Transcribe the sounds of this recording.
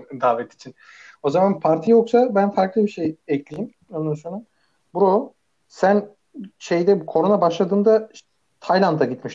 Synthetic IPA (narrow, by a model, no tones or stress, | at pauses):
d̪aːvɛt̪ʰi̥t͡ʃʰin | o̞zamanpʰaɾt̪ʰijo̞ksabænfaɾklˠɯbiʃejɛclʲijim | onusonum | buɾou | sæn | ʃe̞jd̪ɛkʰo̞ɾunabaʃlˠad̪ɯːnd̪a | t̪ʰajlˠant̪ʰaɟit̪miʃt̪